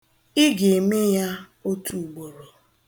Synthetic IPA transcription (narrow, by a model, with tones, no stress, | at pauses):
ɪ˦ɡe˨me˦ja˦ | o˦tʰu˨u˨ɡ͡bo˨ɾo˨